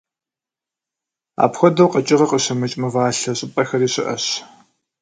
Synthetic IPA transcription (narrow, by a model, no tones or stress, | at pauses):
a̰ːpxʷɔdɐwqɐt͡ʃʼɪʁɐqəɕɐmɨt͡ʃʼmɨvaːɬɐɕʼɪpʼɐxɐriːɕʼɪʔɐ̰ɕ